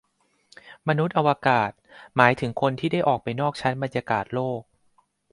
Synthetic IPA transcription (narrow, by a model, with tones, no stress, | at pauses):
ma˧nu˦˥t̪̚ʔa˧wa˧kaː˨˩t̪̚maː˩˦jt̪ʰɯ˩˦ŋkʰo˧nt̪ʰiː˥˩da˥˩jʔɔː˨˩k̚pa˧jnɔː˥˩k̚t͡ɕʰa˦˥nba˧njaː˧kaː˨˩t̪̚loː˥˩k̚